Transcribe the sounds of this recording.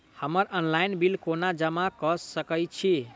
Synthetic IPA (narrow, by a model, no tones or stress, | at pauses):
həməɾənlainbilkonad͡ʒəmakəsəkəjt͡ʃʰi